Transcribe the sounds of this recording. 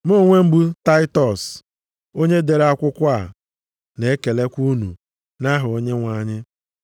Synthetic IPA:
mo˦ŋʷe˦m̩˦bu˦ta˦ɪ˦tɔ˨s | o˦ɲe˦de˨ɾa˦kʷʊ˦kʷa˦˨ | ne˨e˦ke˨le˦kʷu˦nṵ˨ | na˦ɦʊ˨o˦ɲe˦ŋʷa˨ɲɪ˦

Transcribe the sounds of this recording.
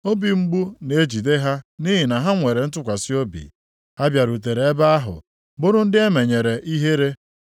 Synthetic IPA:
o˦bi˨ŋ͡m̩˦ɡ͡bu˦ne˨e˦d͡ʒi˨de˦ɦa˦ni˦ɦi˨na˨ɦa˦ŋʷe˨ɾe˨n̩˦tʊ˦kʷa˨sɪ˦o˦bḭ˨ | a˦bja˨ɾu˨t̬e˨ɾe˨e˦ba˦a˦ɦʊ̰˨ | bʊ˦ɾʊ˦n̩˦dɪ˦e˦me˨ɲe˨ɾe˨ʔi˦ɦe˦ɾe˦

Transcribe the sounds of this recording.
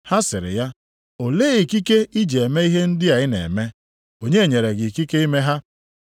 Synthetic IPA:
ha˦sɪ˨ɾɪ̰˨ja˦ | o˨leː˦i˨ki˦ke˦i˦d͡ʒe˨e˨me˦i˦ɦe˦n̩˦dɪ˦a˨ɪ˦nḛ˨me˦ | o˨ɲe˦e˨ɲe˨ɾe˨ɡɪ˨ki˦ke˦i˦me˦ɦa˦

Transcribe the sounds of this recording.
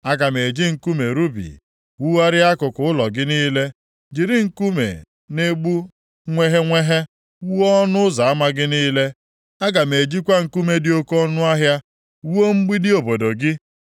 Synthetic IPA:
a˦ɡa˨me˨d͡ʒi˦ŋ̩˨ku˦me˨ɾu˦bḭ˨ | wu˦wa˦ɾɪ˦a˦kʊ˨kʊ˨˦ʊ˦lɔ˨ɡɪ˦niː˦le˦ | d͡ʒi˨ɾi˦ŋ̩˦ku˦mḛ˨ | ne˦ɡ͡bu˦ | ŋʷe˦ɦe˦ŋʷe˦ɦe˦ | wu˦ɔ˦nʊ˦za˨a˦ma˦ɡɪ˦niː˦le˦ | a˦ɡa˨me˨d͡ʒi˦kʷa˦ŋ̩˨ku˦me˦dɪ˦o˦kɔ˦nʊ˦a˦ɦja˦ | wo˦ŋ͡m̩˦ɡ͡bi˦dɪ˦o˨bo˨do˨ɡɪ˦

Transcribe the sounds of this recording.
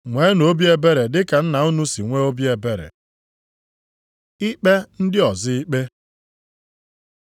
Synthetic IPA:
ŋʷe˨˦no˦bi˦e˦be˦ɾe˨dɪ˦ka˨n̩˦na˨u˦nu˦si˨ŋʷe˦o˦bje˨be˦ɾḛ˨ | i˦k͡pe˦n̩˦dɪ˦ɔ˨zɪ˦i˦k͡pe˦

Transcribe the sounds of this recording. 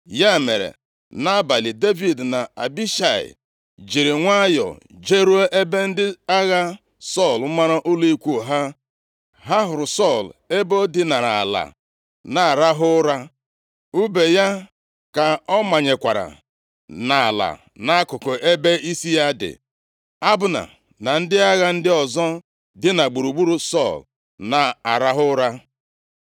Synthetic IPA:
ja˦˨me˨ɾḛ˨ | na˦ba˨li˨de˦vi˨dna˨a̰˨bi˦ʃa˨ɪ̰˨ | d͡ʒi˨ɾɪ˨ŋʷa˦jɔ̰˨ | d͡ʒe˦ɾu˦o˦ʔe˦be˦n̩˦dɪ˦a˦ɣa˦ | sɔ˦˨l̩˦ma˦ɾa˦ʔʊ˦li˦kʷu˦˨ɦa˦ | ɦa˦ɦʊ˨ɾʊ˨sɔ˦˨le˦bo˦dɪ˦na˨ɾa˨a̰˨la̰˨ | na˨ɾa˦ɦʊ˦ɾa˦ | u˦be˨ja˦ | ka˨ɔ˦ma˨ɲe˨kʷa˨ɾa̰˨ | na˨a˨la̰˨ | na˦kʊ˨ko˨ʔe˦be˦i˦si˦ja˦dɪ̰˨ | a˦bʊ˨˦na̰˨ | na˨n̩˦dɪ˦a˦ɣa˦n̩˦dɪ˦ɔ˨zɔ˦ | dɪ˦na˨ɡ͡bu˨ɾu˨ɡ͡bu˦ɾu˦sɔ˦˨l | na˨a˨ɾa˦ɦʊ˦ɾa˦

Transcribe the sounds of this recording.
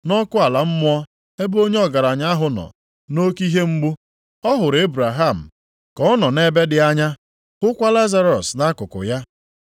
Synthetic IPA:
nɔ˦kʊ˦a˨la˨m̩˦mʊ˦ɔ˦ | e˦bo˦ɲe˦ɔ˦ɡa˨ɾa˨ɲa˦a˦ɦʊ˨nɔ̰˨ | no˦ki˦ɦe˦ŋ͡m̩˦ɡ͡bu˦ | ɔ˦ɦʊ˨ɾe˦bɾa˨ɦa˦˨m̩˨ | kɔ˦ɔ˦nɔ˨ne˦be˦dɪ˨a˦ɲa˦ | hʊ˦kʷa˦la˦za˦ɾɔ˨sna˦kʊ˨kʊ̰˨ja˦

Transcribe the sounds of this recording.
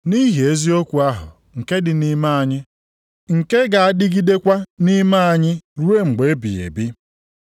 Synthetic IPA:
ni˦ɦi˨e˦zi˦o˦kʷu˨a˦ɦʊ̰˨ | ŋ̩˨ke˦dɪ˨ni˦ma˦a˨ɲɪ˦ | ŋ̩˨ke˦ɡa˨a˦dɪ˦ɡi˦de˦kʷa˦ni˦ma˦a˨ɲɪ˦ɾu˦e˦ŋ͡m̩˨ɡ͡be˨˦bḭ˨ḛ˨bi˦

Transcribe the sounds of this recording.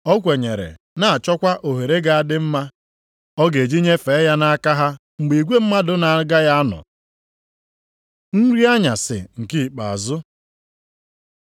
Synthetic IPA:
ɔ˦kʷe˨ɲe˨ɾḛ˨ | na˨a˨t͡ʃɔ˦kʷa˦ʔo˨ɦe˨ɾe˦ɡa˨a˨dɪ˦m̩˦ma˦ | ɔ˦ɡe˨d͡ʒi˦ɲe˦fe˨˦ja˦na˦a˦ka˦ɦa˦ | ŋ͡m̩˨ɡ͡bi˨ɡʷe˦m̩˦ma˦dʊ˦na˨˦ɡa˦ja˦a˦nɔ̰˨ | n̩˦ɾi˦a˦ɲa̰˨sɪ̰˨ŋ̩˨ki˦˨k͡pa̰˨a˨zʊ˦

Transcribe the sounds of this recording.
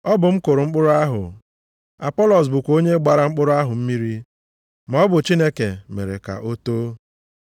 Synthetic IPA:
ɔ˦bʊ˨m̩˦kʊ˨ɾʊ˨ŋ͡m̩˦k͡pʊ˦ɾʊ˦a˦ɦʊ̰˨ | a̰˨pɔ˦lɔ˨s̬bʊ˨kʷo˦ɲe˦ɡ͡ba˨ɾa˦ŋ͡m̩˦k͡pʊ˦ɾʊ˦a˦ɦʊ˨m̩˦mi˦ɾi˦ | m˨ɔ˦bʊ˨t͡ʃi˦ne˦ke˨mḛ˨ɾḛ˨ka̰˨ʔo˦to˦

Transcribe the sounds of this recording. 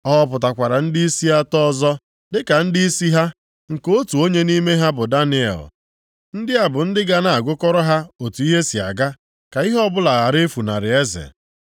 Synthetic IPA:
ɔ˦˨pʊ˨ta˨kʷa˨ɾa˨n̩˦di˦i˦si˦a˦tɔ˦zɔ˦ | dɪ˦ka˨n̩˦di˦i˦si˦ɦa˦ | ŋ̩˨ko˦tu˨o˦ɲe˦ni˦me˦ɦa˦bʊ˨da˦nɪ˦ḛ˨l | n̩˦dɪ˦a˨bʊ˨n̩˦dɪ˦ɡa˦na˨a˨ɡʷʊ˦kɔ˦ɾɔ˦ɦa˦o˨tu˨i˦ɦe˦si˨a̰˨ɡa˦ | ka˨i˦ɦɔ˦bʊ˦la˨ɣa˨ɾe˦fu˨na̰˨ɾɪ˨e˦zḛ˨

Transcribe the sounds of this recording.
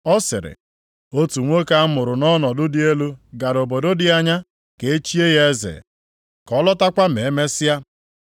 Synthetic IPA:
ɔ˦sɪ̰˨ɾɪ̰˨ | o˦tu˨ŋʷo˦ka˦mʊ˨ɾʊ˨nɔ˦nɔ˨dʊ˦dɪ˦e˦lu˦ɡa˨ɾo˨bo˨do˦dɪ˦a˦ɲa˦ | ke˨e˦t͡ʃi˦e˦ɣe˦zḛ˨ | kɔ˦lɔ˦ta˦kʷa˦m˨e˨˦me˦sɪ˦ja˦

